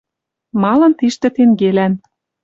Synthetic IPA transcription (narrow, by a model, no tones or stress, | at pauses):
mɑlɤ̆nt̪iʃt̪ĕt̪eŋɡelæn